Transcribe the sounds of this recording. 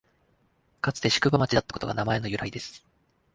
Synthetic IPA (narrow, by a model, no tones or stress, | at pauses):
kat͡sɨ̥t̪e̞ɕi̥kɯ̟bamat͡ɕid̪at̪ːḁko̞t̪oɡa̰namae̞no̞jɯ̟ɾaid̪e̞sɨ̥